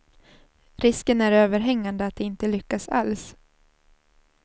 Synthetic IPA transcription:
ɾɪskənæɾøːvəɾɦɛŋːand̪əat̪̚d̪ɛɪnt̪əlʏkːasa̰ls

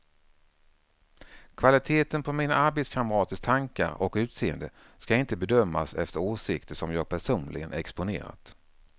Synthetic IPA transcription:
kʰvalɪt̪ʰeːt̪ənpʰɔmiːnaʔaɾbeːd̪skʰaməɾɑːt̪əst̪ʰaŋka̰ɾɔkʉ̟ːt̪seːənd̪ə | skaɪnt̪əbɛd̪œmːa̰sɛ̰ft̪əɾoːsɪkt̪əʂɔmjɑːɡ̚pʰæʂuːnlɪɡən̰ɛkspʊnḛːɾa̰t̪

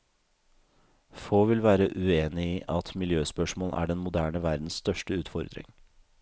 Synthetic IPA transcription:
foːʋɪlʋæːɾəʔʉeːnɪiːʔɑt̪mɪljøːspœʂmoːlʔæ̰ːɖɛnmʊd̪æːɳəʋæɾd̪n̩sst̪œʂʈəʉːt̪fɔ̰ɾd̪ɾɪ̰ŋ

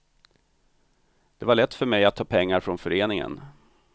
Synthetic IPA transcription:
d̪̥ɛvaɭɛt̪ːfœɾmɛjat̪ʰːɑːpʰɛŋːaɾfɾɔnfœɾeːnɪŋə̰n

